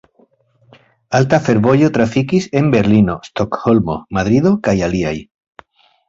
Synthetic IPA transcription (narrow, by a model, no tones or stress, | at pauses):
alt̪afe̞ɾβojot̪ɾafikise̞mbe̞ɾlinost̪okxolmo̰maðɾiðokajaliaj